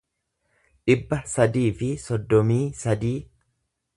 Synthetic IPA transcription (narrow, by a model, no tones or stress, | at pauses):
ᶑɪbːɐsɐd̪iːfɪsɔd̪ːɔmiːsɐd̪iː